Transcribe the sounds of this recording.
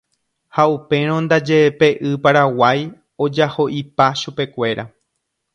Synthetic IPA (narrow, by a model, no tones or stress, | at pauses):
haupe̞ɾ̃õnd̪ad͡ʒepe̞ʔɨpaɾawaj | o̞d͡ʒaho̞ʔipaʃupe̞kʷe̞ɾa